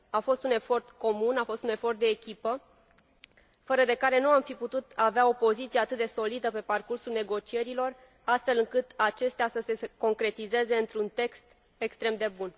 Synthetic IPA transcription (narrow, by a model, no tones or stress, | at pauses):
afo̞st̪une̞fo̞rt̪ko̞munafo̞st̪une̞fo̞rt̪̚d̪e̞ːkʲipə | fəɾəd̪e̞kaɾe̞nuamfiput̪ut̪aveao̞po̞zit̪sijeat̪ɨt̪̚d̪e̞so̞lid̪əpe̞parkursulne̞ɡo̞t͡ʃie̞ɾilo̞r | ast̪fe̞lɨŋkɨt̪at͡ʃe̞st̪easəse̞ko̞ŋkɾe̞t̪ize̞ze̞ɨnt̪ɾunt̪e̞kst̪ | e̞kst̪ɾe̞md̪e̞bun